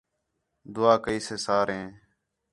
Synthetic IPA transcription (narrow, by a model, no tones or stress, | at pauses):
d̪ʊaːkəiːseːsaːɾɦẽː